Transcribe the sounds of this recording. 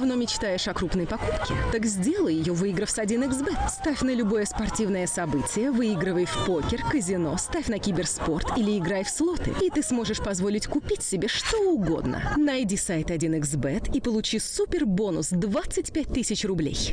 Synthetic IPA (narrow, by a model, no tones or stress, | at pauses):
vno̞mʲɪt͡ɕt̪ajɪʂɐkɾupnəjpɐkupkʲɪ̰t̪akzʲdʲelˠəjɪjovɨiɡɾəfsɐdʲinɨɡzbɛt̪st̪afʲnəlʲʊbo̞jəspɐrtʲivnəjəsɐbɨtʲɪjəvɨiɡɾɨvəjfʲpokʲɪrkəzʲɪno̞st̪afʲnɐkʲibʲɪrspo̞rt̪ʰilʲɪɪɡɾajfslˠo̞t̪ɨ̰it̪ɨsmo̞ʐɨʂpɐzvo̞lʲɪtʲkʊpʲitʲsʲɪbʲeʂt̪o̞ʊɡo̞̰d̪nə̰nɐjdʲisajt̪ɐdʲinɨɡzbɛt̪ʰipəlˠʊt͡ɕisupʲɪrbo̞nʊ̰sd̪vat̪sɨtʲpʲæt̚ʲt̪ɨsʲɪt͡ɕrʊblʲḛj